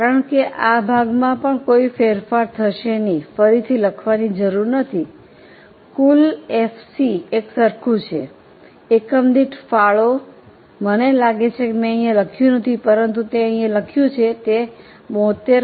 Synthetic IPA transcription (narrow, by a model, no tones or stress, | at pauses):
kaɾəɳkeʔabʱaɡmãpəɳkoifeɾfaɾt̪ʰəʃenifəɾit̪ʰiləkʰʋanid͡ʒəɾuɾnət̪ʰi | kulefsiːksəɾkʰũt͡ʃʰe | ekəmd̪iʈfaɭo | mənelaɡet͡ʃʰekemɛ̃ə̃ĩjãləkʰjũnət̪ʰipəɾənt̪̬ut̪eə̃ĩãləkʰjũt͡ʃʰet̪e | mɔt̪e